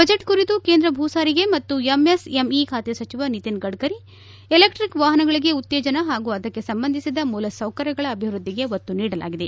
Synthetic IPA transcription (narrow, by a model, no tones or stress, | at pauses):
bɐd͡ʒeʈkuɾit̪ukeːnd̪ɾɐbʱuːsaːɾiɡe̞mɐt̪ːuemesemikʰaːt̪esɐt͡ʃiʋɐnit̪inɡɐɖkɐɾi | elekʈɾikʋaːɦɐnɐɡɐɭiɡe̞ut̪ːeːd͡ʒɐnɐɦaːɡuːɐd̪ɐkːe̞sɐmbɐnd̪ʱisid̪ɐmuːlɐsɐwkɐɾjɐɡɐɭɐːbʱiʋɾud̪ʱːiɡe̞ʋot̪ːuniːɽɐla̰ːɡid̪e̞